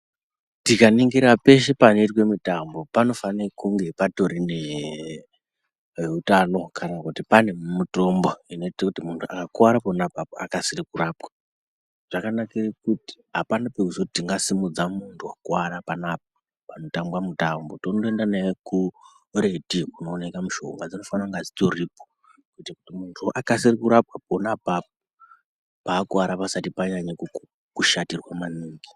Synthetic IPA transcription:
tikaniŋɡiɾape̞ʃ̬epano̞itwe̞mutambo̞pano̞fanirkuŋɡe̞pato̞ɾine | utano̞kʰanakutipane̞mumuto̞mboino̞itakutimuntʰua̰kakwaɾaponapapoa̰kasirikuraːpwḁ | ʐ̥akanakirikuti̥ɦapanape̞kuzotiŋɡasimud͡zamuntʰuakwaɾapanap̚o | pano̞tambwamutambotonoendaneku | re̞tikunoːnekamuʃo̞̰ŋɡwad͡zino̞fanaŋɡad͡zitoripo | kuitakutimuntʰuʔakasirikuɾap̚wap̚onapap̚o | paːkwaɾapasatipaɲaɲaku | kuʃatirwamaniːŋɡi

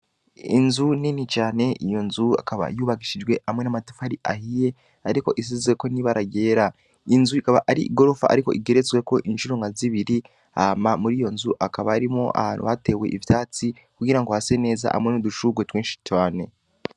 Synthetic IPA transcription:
ḭnzuninit͡ʃaːne̞ijo̞nzua̰kaβa̰juːβaɡiʃid͡ʒɡwe̞amŋe̞namatu̥faɾiʔahije̞ | aɾiko̞̰ʔis̬izzweko̞niβaɾaɟe̞ːɾa | inzuikaβaʔaɾiʔiɡo̞ɾo̞fa̰ʔa̰ɾiko̞̰ʔiɡe̞ɾet͡swe̞ko̞ʔinʃuɾo̞ŋɡaziβiɾi | amamuɾijo̞nzuʔakaβaːɾimo̞ʔa̰a̰ːnṵβate̞we̞̰ʔiβitaːt͡si | kuɡiɾaŋɡohase̞ne̞ːza̰ʔha̰mŋe̞nuduʃuːɡwetweːnʃi̥twaːne̞

